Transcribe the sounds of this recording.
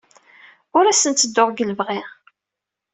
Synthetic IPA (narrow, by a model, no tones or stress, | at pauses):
ʊɾæsənt̪t͡sːəd̪ːoʁɡələvʁi